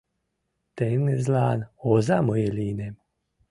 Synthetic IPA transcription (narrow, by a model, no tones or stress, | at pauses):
t̪enezlaːnozamojelinem